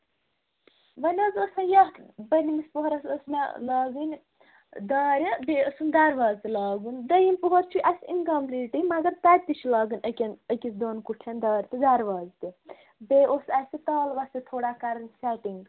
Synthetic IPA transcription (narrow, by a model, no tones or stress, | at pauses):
ʋɐnʲɐzɐsɐjɐɦbɐnimispoɦɐɾɐsɐsmalaːɡɨnʲ | d̪aːɾʲɐbeːəsund̪ɐɾʋaːzt̪ilaːɡund̪ɐjimpoɦoɾt͡ʃʰuʔɐsinɡɐmpliːʈɨjmɐɡɐɾt̪ɐd̪̚ʲt̪it͡ʃʰlaːɡɨnʲɐkʲɐnəkʲisd̪oːnkuʈʰɐnʲd̪aːɾʲt̪ɨd̪ɐɾʋaːzt̪ɨ | beʔosɐsit̪aːlʋɐsit̪ʰoːɽaːkɐɾɐnʲsʲɛʈiŋɡ